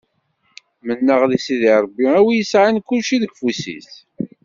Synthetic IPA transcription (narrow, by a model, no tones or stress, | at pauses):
mənːəʁlisiðiɾˤbːiæwijəsʕankːulʃiðəɡfusḭθ